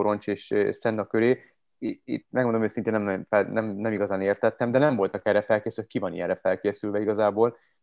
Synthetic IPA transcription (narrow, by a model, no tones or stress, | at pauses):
oɾo̞nt͡ʃeːʃsɛnːɒkøɾeː | ḭt̪mɛɡmond̪omeːsint̪eːnːɛmɛfɛnɛmnɛmiɡɒzaːneːrt̪ɛt̪ːɛmd̪ɛnɛɱvo̞lt̪ɒkɛrɛfɛlkeːsylkivɒnḭɛ̰ɾrɛfɛlkeːsylvʋɛiɡɒzaːboːl